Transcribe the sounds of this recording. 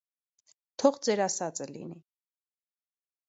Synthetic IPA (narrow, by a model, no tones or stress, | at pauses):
t̪ʰɔʁd͡zɛɾɑsɑt͡sʼəlḭni